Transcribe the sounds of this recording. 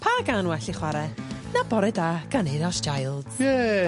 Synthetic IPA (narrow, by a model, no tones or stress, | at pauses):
pʰaɡanwɛɬiχwaɾɛnabɔɾɛdaːɡ̥aneɾast͡ʃʰajlˠd̥jɛ